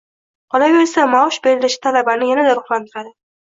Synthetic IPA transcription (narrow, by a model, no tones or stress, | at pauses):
qʰɒlajolsamaʃbe̞ɾɪlɪʃɪ̥t̪ʰalabanɪjanad̪aɾʊχlˠant̪ʰɪɾad̪ɪ